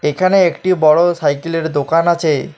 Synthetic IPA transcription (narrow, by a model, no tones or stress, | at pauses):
ekʰaneekʈibɔɽosajkeleɾd̪okanat͡ɕʰe